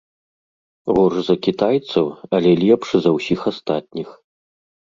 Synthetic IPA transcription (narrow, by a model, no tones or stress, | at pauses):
ɣɔʐzɐkʲit̪ajt̪sɐwɐlʲɛlʲɛpʂɨzɐwsʲixast̪at̪̚ʲnʲix